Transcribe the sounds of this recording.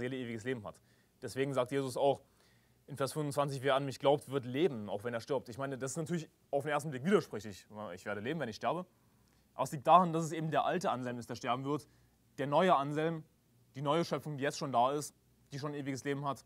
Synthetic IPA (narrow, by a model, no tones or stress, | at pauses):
zeːləʔeːvɪɡəsleːbm̩ɦa̰t | d̥ɛsv̥eːɡŋ̩zaːk̚tjeːzʊsaʊx | ʔɪnfeːɐsfʏnvʊntt͡sv̥ant͡sɪçveːɐanmɪçɡ̥laʊp̚tv̥ɪɐtleːbm̩ʔaʊxv̥ɛneːɐʃtɪɐp̚tɪçmaɪnədasɪ̥stnatʰyɐlɪç | aʊfdeneːɐstn̩blɪkv̥iːdɐʃpʁ̥ɪçlɪçɪ̰çv̥eːɐɾəleːbm̩vɛnɪçʃtɛɐbə | ʔa̰bɐsliːk̚td̥aːʁandasɛs̬ʔeːbm̩deːɐʔaltəʔanzɛlmɪstd̥eːɐʃtɛɐbm̩vɪɐt | d̥eːɐnɔʏəʔanzɛlm | d̥iːnɔʏəʃœpp͡fʊŋdiːjɛt͡stʃoːndaːɪst | d̥iːʃoːnʔeːvɪɡəsleːbm̩hat